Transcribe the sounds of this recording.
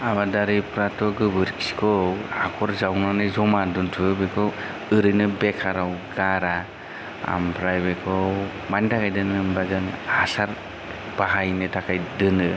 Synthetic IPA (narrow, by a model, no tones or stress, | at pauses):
amadaɾɯpʰɾatʰɔɡɯbɯɾkʰi̥si̥kʰɔhakʰɔɾzawnanɯjzɔmaduntʰɯbekʰɔ | ɯɾɯjnɯbekʰaɾawɡaɾa | a̰mpʰɾajbekʰɔ | mantʰakʰajdɯnɯmbazɯŋhasaɾ | b̥aɦajnɯtʰakʰajdɯnɯ